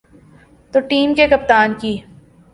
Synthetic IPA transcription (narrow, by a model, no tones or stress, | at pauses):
t̪oʈiːmkekɐp̚t̪aːnkiː